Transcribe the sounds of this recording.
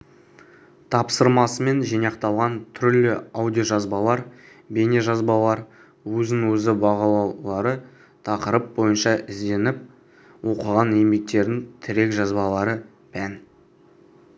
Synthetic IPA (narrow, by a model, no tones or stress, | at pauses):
t̪ʰɑpsəɾmɑsəme̞nʒijnɑqt̪ɑlˠʁɑnt̪ʰʏɾlɪawd̪ʲijoʒɑzbɑlˠɑɾ | be̞neʒɑzbɑlˠɑɾ | wɵzɪŋwɵzɪbɑʁɑlˠɑwlˠɑɾə | t̪ʰɑqəɾəp̚bo̞jənʃɑʔɪzd̪e̞nɪp̚ | wo̞qəʁɑnejmbe̞k̚t̪e̞ɾd̪ɪŋt̪ʰɪɾe̞kʒɑzbɑlˠɑɾə | pʰæn